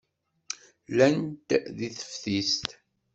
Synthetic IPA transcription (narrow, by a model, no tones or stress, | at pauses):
lænt̪ðiθə̥fθist̪